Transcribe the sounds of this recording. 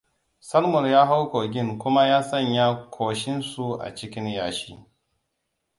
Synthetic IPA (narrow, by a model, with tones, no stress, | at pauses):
sɐ˦lmʊ˨njaː˦ɦa˦wkoː˨ɡʲɪ˦˨ŋkʷʊ˦ma˦jaː˦sɐ˦˨ɲjaː˦kʰʷoː˨ʃɪ˦nsu˦ʔa̰˨t͡ʃɪ˦kʲɪ˦njaː˨ʃiː˦